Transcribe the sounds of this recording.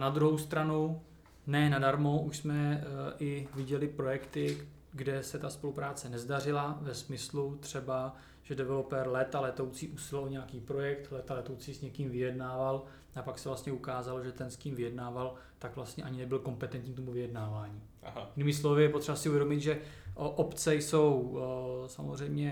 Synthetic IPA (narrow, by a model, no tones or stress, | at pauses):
nad̪ɾuɦowst̪ɾanu | nɛːnadaɾmo̞ʔuʃsmɛʔɪvɪɟɛlɪpɾo̞jɛkt̪ɪ | ɡdɛsɛt̪aspo̞lupɾaːt͡sɛnɛzdar̝ɪlavɛsmɪslut̪r̥ɛba | ʒ̥ɛdɛvɛlo̞pɛɾlɛt̪alɛt̪owt͡siːʔusɪlɛlɲɛjakiːpɾo̞jɛkt̪lɛt̪alɛt̪owt͡siːsɲɛkiːmvɪjɛdnaːval | ʔapaksɛvlast̪ɲɛukaːzaloʒɛt̪ɛnsciːmvɪjɛdnaːval | t̪akvlast̪ɲɛʔaɲɪnɛbɪlko̞mpɛt̪ɛnt̪ɲiːt̪omuvɪjɛdnaːvaːɲiː | jɪniːmɪs̬lo̞vɪjɛpo̞t̪r̥ɛbasɪʔuvjɛdo̞mɪt̪ʒɛʔʔopt͡sɛjso̞wsamozr̝ɛjmɲɛ